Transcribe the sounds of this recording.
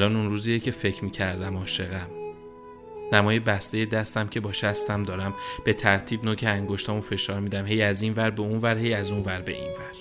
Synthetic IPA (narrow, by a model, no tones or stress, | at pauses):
lɒːnunɾuːzijecʰe̞fe̞cʰɾmiːcʰæɾd̪æmɒːʃe̞ɣæm | næmɒːjebæst̪e̞je̞d̪æst̪æmcʰe̞bɒːʃst̪æmd̪ɒːɾæmb̥e̞t̪ʰæɾt̪ʰiːbnoːcʰeæŋɡoʃt̪ʰɒːmufe̞ʃɒːɾmiːd̪æmhe̞jæzinvæɾbe̞unvæɾhe̞jæzunvæɾbe̞̰ʔḭnvæɾ̥